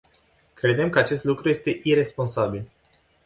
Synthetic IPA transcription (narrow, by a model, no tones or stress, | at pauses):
kɾe̞d̪emkəat͡ʃe̞st̪lukɾuje̞st̪e̞ʔiɾe̞spo̞nsabil